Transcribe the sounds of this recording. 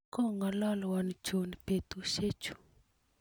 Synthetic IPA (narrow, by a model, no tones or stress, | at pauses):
kɔŋɔlɔlɔwand͡ʒonipet̪uʃet͡ʃu̥